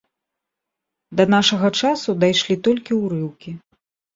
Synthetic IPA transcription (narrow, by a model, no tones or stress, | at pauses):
d̪ɐn̪aʂɐɣɐt͡ʂasud̪ajʂlʲit̪ɔlʲkʲiwɾɨwkʲi